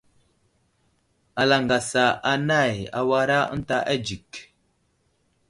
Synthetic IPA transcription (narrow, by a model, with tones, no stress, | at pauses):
a˨la˨ŋɡa˨sa˨a˨na˦˨ja̰˨wa˦ɾa˦ə̰˦n˦ta˦ʔa˦d͡ʒi˨k